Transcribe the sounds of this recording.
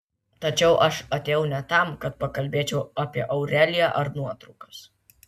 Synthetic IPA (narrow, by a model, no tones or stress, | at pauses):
t̪ɐt͡ʃʲɛʊʔɐʃɐt̪ʲeːjɛʊnʲɛt̪ɐmkɐt̪̚pɐkɐlʲbʲeːt͡ʃʲɛʊɐpʲiɛʔɐʊɾʲæːlʲɪjæʔɐɾnuɔt̪ɾɐʊkɐs